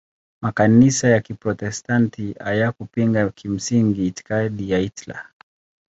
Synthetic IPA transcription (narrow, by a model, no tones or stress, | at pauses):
makanisajakipɾɔtɛstantʰia̰jakupiŋɡakʰim̩siŋɡiːti̥kaɗijaitla̰